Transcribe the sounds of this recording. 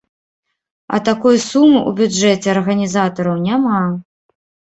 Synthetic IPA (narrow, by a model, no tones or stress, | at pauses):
ɐ̰t̪akujusumɨʔṵbʲud͡ʐɛt͡sʲɛɐrɣɐnʲizat̪ɐɾɐwnʲama